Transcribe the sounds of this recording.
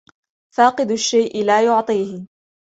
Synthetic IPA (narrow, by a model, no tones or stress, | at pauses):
faːqɨd̪ʊʃːajʔɪlaːjʊʕt̪ˤiːhɪ